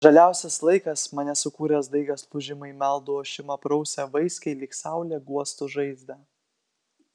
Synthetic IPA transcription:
ʒɐlʲæˑʊsʲɛslˠɐɪkɐsmɐnʲɛsʊkuːɾʲɛsd̪ɐɪɡʲɐspˠʊʒʲɪmɐɪmʲɛlˠd̪ooːʃʲɪmɐpɾɐʊsʲɛʋɪsʲkɐɪlʲiːksɑˑʊlʲɛːɡuɔst̪ʊʒɐɪzʲd̪ɐ

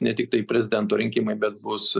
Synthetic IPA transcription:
nʲɛt̪ʲɪk̚t̪ɐɪpʲɾʲɛzʲɪd̪ʲɛnt̪oːɾʲɪŋʲkʲiːmɐɪbʲɛt̪̚bʊs

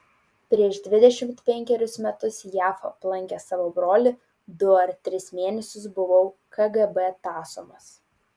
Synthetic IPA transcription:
pʲɾʲiɛʒd̪ʲʋʲɪd̪ʲɛʃʲɪmt̪pʲɛŋʲkʲɛɾʲʊsmʲɛt̪ʊsjæːfɐplˠɐŋʲkʲɛsɑːʋoːbɾoːlʲɪ | d̪ʊɐɾt̪ʲɾʲɪsmʲeːnʲɛsʲʊsbʊʋɐʊkʰɐɡɛbɛt̪ɑːsʊmɐs

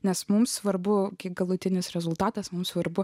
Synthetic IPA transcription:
nʲɛsmʊmsʋɐɾbʊkʲiːkɡɐlˠʊt̪ʲɪnʲɪsɾʲɛzʊlˠt̪ɑːt̪ɐsmʊmsʋɐɾbʊ

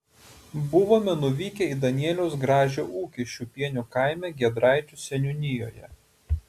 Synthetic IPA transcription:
bʊʋoːmʲɛnʊʋʲiːkʲɛid̪ɐnʲiɛlʲɛʊsɡɾɑːʒʲoʔuːkʲiʃʲt͡ʃʲupʲiɛnʲukɑˑɪmʲɛɡʲiɛd̪ɾɑˑɪt͡ʃʲʊsʲɛnʲʊnʲɪjo̰ːjɛ̰

